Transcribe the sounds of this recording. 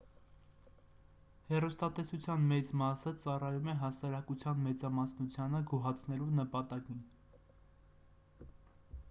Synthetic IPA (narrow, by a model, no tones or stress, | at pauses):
hɛrust̪ɑt̪ɛsut͡sʰjɑnmɛt͡smɑsət͡sɑrɑjumɛɦɑsɑɾɑkut͡sʰjɑnmɛt͡sɑmɑsnut͡sʰjɑnəɡuɦɑt͡sʰn̪ɛlunəpɑt̪ɑkin